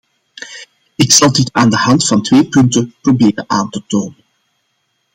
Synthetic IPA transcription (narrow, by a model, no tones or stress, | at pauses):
ɪksɑlˠditaːndəhɑntfɑntʋeːpɵntənprobeːɾənʔaːntətoːnən